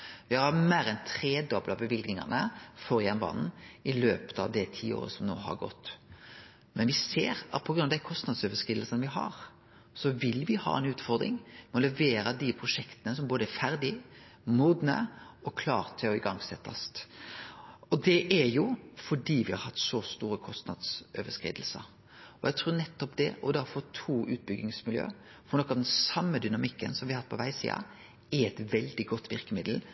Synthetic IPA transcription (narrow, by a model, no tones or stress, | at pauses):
ʋɪhɑɾɑmeːɾɛnt̪ʰɾeːd̪ɔblɑbəʋɪlɡnɪŋɑ̰nəfɔɾjɛnbɑ̰ːnn̩ʔɪløːpə̥t̪ɑ̰ʋd̪ɛt̪ʰḭːo̰ːɾə̰sɔmno̰ːɦɑ̰ɾɡɔ̰t̪ː | mɛnʋɪseːɾɑt̪̚pʰɔɡɾʉnɑd̪æɪkʰɔst̪nɑd̪søʋəskɾɪləsənʋɪɦɑ̰ɾ | sɔʋɪlʋɪhɑ̰ːɛ̰nʉːt̪fɔɾd̪ɾɪ̰ŋmɔlɛʋeːɾəd̪ɪpʰɾʊʂɛkt̪ənəsɔmboːd̪əæɾfæɾd̪ɪ | muːd̪nə̰ɔkʰlɑ̰ːɾt̪ʰɪɔɪɡɑŋsɛt̪ːɑst̪ | ɔd̪ɛʔɛɾjʊfɔɖiːʋɪhɑɾhɑt̪ːsɔst̪uːɾəkʰɔst̪nɑ̰d̪søʋəskɾḭːd̪l̩sə̰ | ɔjæt̪ʰɾuːnɛt̪ːɔpd̪ɛʔɔd̪æɾfɔɾt̪ʰuːʔʉ̰ːt̪̚bʏɡɪŋsmɪljø̰ː | fɔnɔkːɑʋd̪ɛnsɑmːəd̪ʏnɑmɪkːənsɔmʋɪhɑhɑt̪pʰɔʋæɪsḭːɑ̰ | ɛɾɛt̪ʋɛld̪ɪɡɔt̪ːʋɪɾkəmɪd̪l̩